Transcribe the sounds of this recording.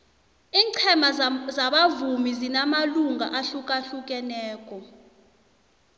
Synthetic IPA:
iːǀʰɛmazaɓavumizinamaluŋaʔaɬukʼaɬuk̬ʼɛnɛːk̬ʼɔ

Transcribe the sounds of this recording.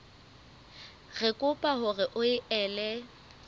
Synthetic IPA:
ɣɛkʼʊpʼahʊɣɪʔʊɪʔɛːlɛ

